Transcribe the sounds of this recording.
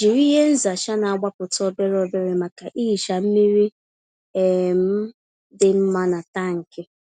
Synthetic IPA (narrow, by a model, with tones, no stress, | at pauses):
d͡ʒi˨ɾi˦ɦe˦n̩˦za˨ʃa˦na˨a˨ɡ͡ba˦pʊ˨tɔ˦be˦ɾɔ˨be˦ɾe˨ma˨ka˨ʔi˦˨ʃa˨m̩˦mi˦ɾi˦ | e˨m̩˦ | dɪ˨m̩˦ma˦na˨ta˦˨ŋ̩˨ke˦